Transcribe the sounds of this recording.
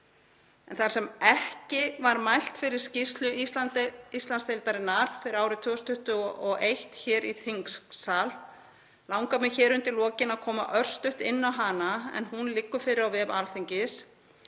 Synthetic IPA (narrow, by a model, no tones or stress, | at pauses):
ɛnθaɾ̥sɛmɛhcɪvaɾmajl̥t̪fɪɾɪɾ̥scɪst̪lʏisat̪ist̪lansθelt̪aɾɪnːaɾ̥fɪɾɪɾaːwɾɪt̪ʰʏːɔst̪ʰʏht̪ʏɔʔejht̪çɛːɾiθiŋksal | lawŋkamɛðçɛːɾʏnt̪ɪlɔːcɪnaðkʰɔːmaʔœr̥st̪ʏht̪ɪnːawɦaːnaɛ̰nɦunlɪkːʏfɪɾɪɾawvɛːvalθiɲcɪs